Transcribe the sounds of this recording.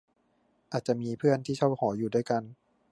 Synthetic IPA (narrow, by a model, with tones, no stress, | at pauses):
ʔaː˨˩t̪̚t͡ɕa˨˩ʔmiː˧pʰɯ˥˩ənt̪ʰiː˥˩t͡ɕʰɔ˥˩whɔː˩˦juː˨˩daː˥˩jka˧n